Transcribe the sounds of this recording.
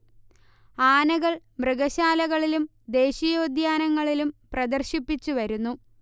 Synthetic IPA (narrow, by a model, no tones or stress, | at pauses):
aːnɐɣɐɭ | mrɨɣɐɕaːlɐɣɐɭilum | d̪e̞ːɕɐjo̞ːd̪jaːnɐŋːɐɭilumprɐd̪ɐrɕipːit͡ɕːuʋɐɾunːu